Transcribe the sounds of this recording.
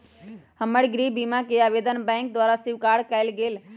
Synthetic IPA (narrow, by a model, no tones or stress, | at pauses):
həməɽɡɾibimakeabed̪ənbɛ̃ŋk̚d̪ʋaɾasiʋkaɽkɛɪlɡel